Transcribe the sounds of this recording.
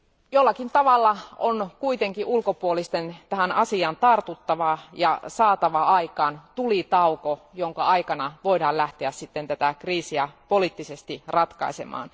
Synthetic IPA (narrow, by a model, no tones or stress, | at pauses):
jolːɑkint̪ɑʋɑlːɑonkuit̪eŋkiʔulkopuolist̪ent̪æhænɑsiɑnt̪ɑrt̪ut̪ːɑʋɑjɑsɑːt̪ɑʋɑɑikɑːnt̪ulit̪ɑukojoŋkɑɑikɑnɑʋoidɑːllæht̪eæssit̪ːent̪æt̪ækriːsiæpolit̪ːisest̪irɑt̪kɑ̰isḛmɑ̰ːn